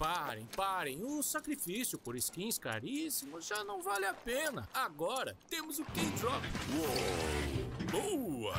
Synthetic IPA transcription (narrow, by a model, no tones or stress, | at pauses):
paɾḛ̃j̃paɾẽj̃ʊsakɾifisjʊpoɾiskĩska̰ɾisimʊʒanɐ̃w̃valɪapẽnɐ̰aɡɔɾɐ̰t̪ẽmʊzʊkẽd͡ʒɾɔpwo | boɐ̰